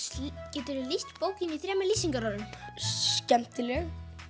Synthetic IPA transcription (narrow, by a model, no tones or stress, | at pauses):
cɛːt̪ʏɾɪlist̪poːwcɪniθɾɛːmɛliːsiŋkaɾɔɾʏn | cɛm̥t̪ɪlɛɣ